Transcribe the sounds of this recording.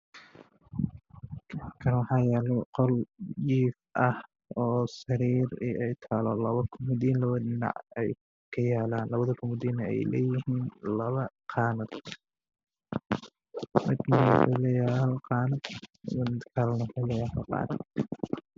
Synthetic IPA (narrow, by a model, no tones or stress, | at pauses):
kʰɐnwɑħɑːjɛːlɛqɔld͡ʒiːfʔɐh | ɔːsɐɾiːɾḭʔɛjt̪ʰaːlɔlɐβɐkʰʊmʊd̪iːnlɐβɐdɪnɑ̰ʕɛj | kʰɐjaːlaːnlɐβɐðɐkʰʊmʊd̪iːnɐɛ̰jlɛ̰ːjɪhiːnlɐβɐqʰɑːnɐd̪ | mɪd̪nɐɛ̰lɛjalqɑːnɐd̪mɪd̪kʰalnɐfɛlɛjaːlɐqɑ̰ːnɐd̪